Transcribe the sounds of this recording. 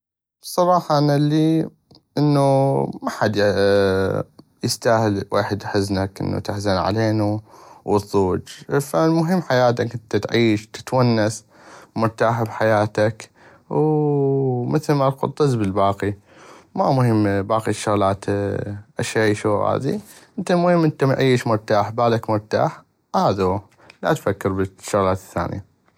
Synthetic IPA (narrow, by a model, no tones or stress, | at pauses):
sˤɑɾˤɑːħɑʔanalːiː | ʔɪnːumaħad̪ | jɪst̪aːhɪlwʔeːħɪd̪ʔħɪznakʔɪ̰nːṵt̪ɪħzanʕa̰leːnuwɨðˤuːd͡ʒfamʊɦɪmːħajaːt̪akɪt̪at̪ʕiːʃt̪ɪ̥t̪wanːas | mʊɾt̪aːħbħajaːt̪ak | w | mɪθlmalqʊ̰t̪ˤːɨzbɪlbɑːqi | mamʊhɪmːbaːqiʃːʊɣlaːt̪ʔaʃːaʃuːa̰ːðiʔɪnt̪almʊhɪmːʔɪnt̪amʕiːʃmʊɾˤt̪aːħbaːlakmʊɾˤt̪a̰ːħ | haːðu | la̰t̪fakːɪɾbɪʃːʊɣlaːt̪ɪθːa̰ːnja